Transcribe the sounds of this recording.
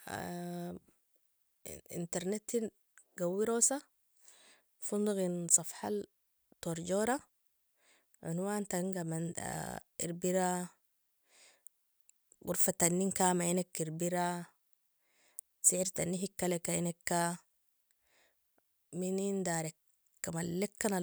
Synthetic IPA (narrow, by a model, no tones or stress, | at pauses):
ḭnt̪eɾnet̪ːin | ɡawːiɾoːsa | fund̪uɣinsˤɑfħa̰l | t̪oɾɟoːɾa | ʕunwaːnt̪aŋɡaman̰ | ḭɾbiɾa | ɡṵɾfat̪anːiŋkamainekːiɾbiɾa | siʕiɾt̪anːiɦikːalekːainekːa | minind̪aːɾekː | amalːekːana